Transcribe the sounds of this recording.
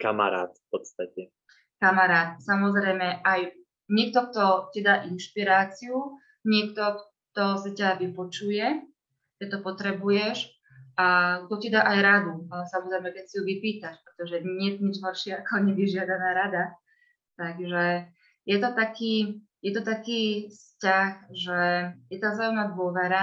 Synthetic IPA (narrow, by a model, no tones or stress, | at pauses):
kama̰ɾa̰ːt̪fpɔt̪st̪acɛ | kamaɾaːt̪̚samɔzɾɛjmɛʔaj | ɲɪɛk̚t̪ɔk̚t̪ɔcid̪aːʔinʃpiɾaːt͡siu | ɲɪɛkt̪ɔk | t̪ɔsicaʋipɔt͡ʃujɛ | kɛt̪ːɔpɔt̪ɾɛbujɛʃ | ʔak̚t̪ɔcid̪aːʔajɾad̪usamɔzɾɛjmɛkɛcsijuʋipiːt̪aʃpɾɛt̪ɔʒɛɲɲɛt̪ɲid͡ʒɦɔpʃɪɛakɔɲɛb̪iʒɪad̪anaːɾad̪a | t̪aɡʒɛ | jɛt̪ɔt̪akʰiː | jɛt̪ɔt̪akiːfscaxʒɛjɛt̪aːzaːjumnaːd̪ʋʊɔʋɛɾa